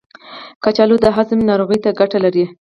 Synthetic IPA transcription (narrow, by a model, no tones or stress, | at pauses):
kat͡ʃɑlod̪əɦazɪmnɑɾoɣəjt̪aɡaʈalaɾi